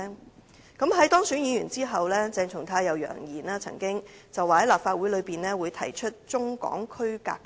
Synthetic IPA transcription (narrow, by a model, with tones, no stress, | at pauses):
kɐ˨˥mɦɐ˨˥jt̪ɔː˥ŋsyː˨˥njiː˨˧jyː˨˩nt͡siː˥ɦɐ˨wlɛː˥t͡sɛː˧ŋt͡sʰʊ˨˩ŋt̪ʰaː˧jɐ˨wjœ̰ː˨˩ŋjiː˨˩naː˥t͡sʰɐ̰˨˩ŋkɪ˥ŋ | t͡sɐ˨waː˨˩hɐ˨˥jlaː˨˩pfaː˧t̚wu˨˥jlɵ˨˧ɥpiː˨˩nlɛː˥wuː˨˧jt̪ʰɐ̰˨˩jt͡ʃʰɵ˥t̚t͡sʊ˥ŋkɔ̰ː˨˥ŋkʰɵ˥ɥka̰ː˧k